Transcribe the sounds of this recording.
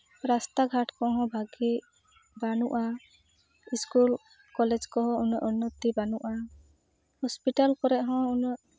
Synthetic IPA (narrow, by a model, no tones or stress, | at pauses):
ɾast̪aɡʱaʈkɔɦɔ̃bʱaɡi | banuʔa | iskul | kɔlɛd͡ʒkɔɦɔ̃unəʔunːɔt̪ːibanuʔa | hɔspiʈalkɔɾɛʔɦɔ̃unəʔ